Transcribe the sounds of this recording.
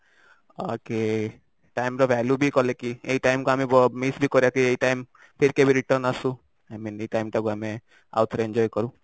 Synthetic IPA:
o̰ke | ʈaɪmɾɔʋʱɛːljubʱikɔlekieiʈaɪmkoamẽbɔmisbʱikɔɾjakieiʈaɪm | pʰɪɾkebʱiɾiʈəɾnasũ | aɪmĩːneiʈaɪmʈakoamẽ | a̰ʊt̪ʰɾẽnd͡ʒɔːjkɔɾũ

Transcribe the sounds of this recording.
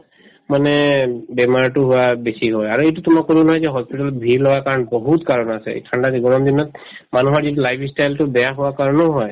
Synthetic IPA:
manɛbɛmaɹʈuɦʊabesiɦɔjaɹuejtutʊmakːoɹibnɔɦɔjzɛɦɔspitalɔt̪̚bʱiɹlɔwakaɹɔnbɔɦut̪kaɹɔnasɛ̰kʰaɳɖadiɡɔnɔmd̪inɔt̪̚ | manuɦɔɹzitulajpʰsʈajltubɛjaɦʊwakaɹɔnɔɦɔj

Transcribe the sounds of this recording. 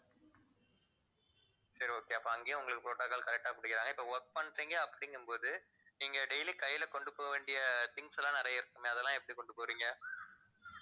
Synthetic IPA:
sɐɾioːkeːɐpːoːɐŋɡeːjʊ̃ʊŋɡɐɭɯkːɯpɾoːʈːaːkːɐɭkɐɾɛk̚ʈːaːpʊɽɯkːɪɾaːŋɡɐɪpːoːʋɔɾk̚pɐɳɾiːŋɡɐɐpːɐ̥ɽɪŋɡɯmpoːðɯ | niːŋɡɐɖɛjlikɐjːɪlɐkɔɳɖɯpoːɣɐʋeːɳɖɪjɐt̪ɪŋɡsɛlːãːnɪɾɐjɐɪɾɯkːɯmeɐðɛlːãːɛpːɐɽikɔɳɖɯpoːɾiːŋɡɐ

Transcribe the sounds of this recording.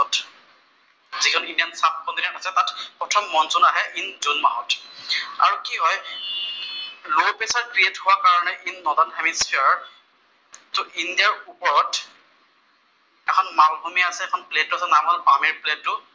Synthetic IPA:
ɔt | zikʰɔnindiansafkɔntinentasɛtatpɹɔtʰɔmːɔnzɔnaɦɛʔinzunmaɦɔta̰ɹukiɦɔj | lopesaɹkɹietɦʊwakaɹɔnɛʔinːɔdanɦɛmispʰiɹ | tʊʔindiaɹupɔɹɔt | ɛkʰɔnmalbʱumiasɛːkʰɔnpletːuasɛnamɦɔlbamiɹpledtːʊ

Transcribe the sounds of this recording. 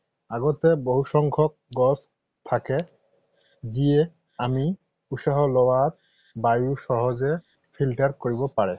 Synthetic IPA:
aɡɔt̪eboɦuʃɔŋkʰɔk̚ɡɔs | t̪ʰake | zie | ami | usaɦɔlɔwat̪̚ | bajuʃɔɦɔze | pʰilʈaɹkoɹibɔpaɹɛ

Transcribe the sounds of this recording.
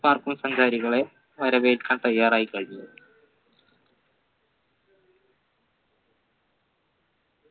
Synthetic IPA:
paːrkumsɐŋsaːɾiɣɐɭe̞ | ʋɐɾɐbejilkːaːnt̪ɐjːaːraːjikːɐɻiiju

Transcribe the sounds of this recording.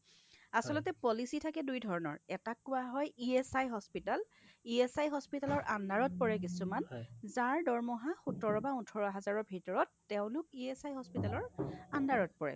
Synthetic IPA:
asɔlɔtɛpɔlisitʰakɛdujdʱɔɹɔnɔ̰ɹɛtakːʊwaɦɔjiɛsajɦɔspital | iɛsajɦɔspitalɔɹʔandʱaɹɔt̚pɔɹɛkisumanzaɹdɔɹmɔɦaxutɔɹɔbautʰɔɹɔɦazaɹɔbʱitɔɹɔtːeʊ̃lʊkiɛsajɦɔspitalɔɹandaɹɔt̚pɔɹɛ̰

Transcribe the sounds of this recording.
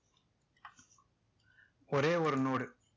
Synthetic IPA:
ɔɾeːɔɾɯnoːɽɯ

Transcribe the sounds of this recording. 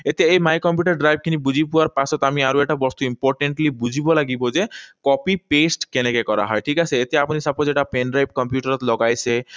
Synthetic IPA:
et̪eemajkɔmpjuʈaɾɖɾajb̚ʱkʰinibud͡ʑʱipuwaɾpasɔt̪amiaɾueʈabɔst̪uimpoɾʈeɳʈlibud͡ʒʱibɔlaɡibɔd͡ʒekɔpipesʈkenekekɔɾa̰ɦɔeʈʰikasʰeet̪eapunisapɔd͡ʒeʈapenɖɾajp̚kɔmpjuʈaɾɔt̪lɔɡajsʰe

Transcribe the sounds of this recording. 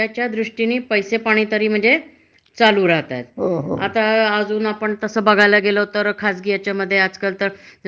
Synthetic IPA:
at͡ɕjad̪ɾuʂʈiniːpəjsepaɽ̃iːt̪əɾiːm̤əɳd͡ze | t͡saluːɾaɦt̪a̰t̪ɦooat̪aəd͡zuːnapəɳt̪əsəːbəɡʱajləɡelət̪əɾkʰasɡijat͡ɕjaməd̪ʱːjead͡zkəlt̪əɾ

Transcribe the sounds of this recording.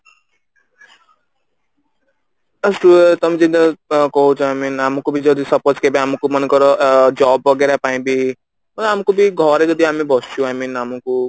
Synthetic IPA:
ʌsʈuet̪ʌmĩd͡zid̪ʌkɔɦũt͡sʰũajminamɔkobʱid͡zʌd̪isʌpot͡ʃkebiamɔkomʌnekʌɾɔd͡ʒɔbʌɡeɾapaĩbi | mʌnamɔkobʱiɡʱʌɾed͡ʒʌd̪iamebʱʌst͡ʃʰuajminamɔku

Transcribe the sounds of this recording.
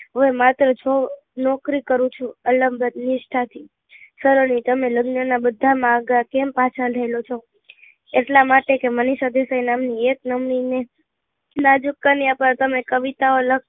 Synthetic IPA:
ɦoemat̪ɾət͡ʃʰo | nɔkɾikəɾũt͡ʃʰuələmbʱəd̪nɪʃʈʰat̪ʰi | səɾənʋit̪əmeləɡnənabəd̪ʱːamãːɡakempat͡ʃʰaɾəelot͡ʃʰo | eʈlamaʈekeməniʃad̪esajnamnieknəmnine | nad͡ʒukːəniapaɾt̪əmekəʋit̪aolək

